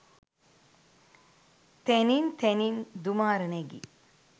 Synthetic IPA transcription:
t̪enint̪ʰenind̪umaːɾəneɡḭ

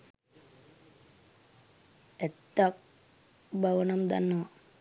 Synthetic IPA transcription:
ɛt̪ːak̚ | baʋənamd̪a̰nːəʋa

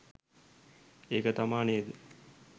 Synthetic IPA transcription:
eːkət̪amaːned̪ə

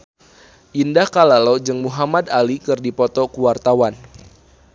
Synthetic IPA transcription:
ʔindahkalalod͡ʒɨŋmuɦamad̪alikɨrdipɔt̪ɔkuwart̪awan

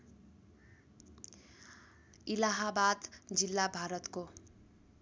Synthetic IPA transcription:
ilaɦabad̪d͡zilːabʱaɾʌt̪ko

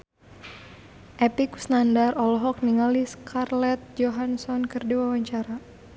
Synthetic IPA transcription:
ʔɛpiku̥snandarɔlɔɦɔk̚niŋaliskʰarlɛt̪̚d͡ʒoɦansɔnkɨrdiwawaɲt͡ʃaɾa

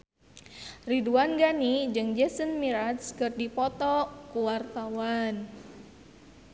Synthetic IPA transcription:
riduanɡanid͡ʒɨŋd͡ʒɛsənmiɾat̪skɨrdipɔt̪ɔkuwart̪awan

